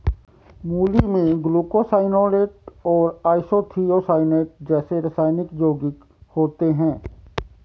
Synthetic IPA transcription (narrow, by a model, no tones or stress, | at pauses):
muːlimẽɡluːkosaːɪnoːleːʈɔːɾaːɪsoːt̪ʰiːosaːɪneːʈ̚d͡ʒɛːseɾəsaːɪnɪkd͡ʒoːɡɪk | hoːt̪eɦɛ̃ː